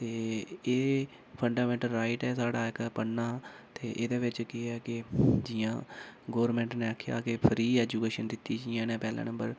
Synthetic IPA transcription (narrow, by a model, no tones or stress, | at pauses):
t̪eːeː | pʰəɳɖaːmɛ̃ːɳʈəlɾaːiʈɛːsaːɽaːɪkpənːaː | t̪eːʔeːd̪eːʋɪt͡ʃkɪɛːkɪd͡ʒɪjãːɡoːʋəɾmɛ̃ːɳʈneːakʰːja̰ːkɪpʰɾiːɛːd͡ʒuːkeːʃənd̪ɪt̪ːiːd͡ʒɪjãːnẽːpɛːlã̰ːnə̃mbəɾ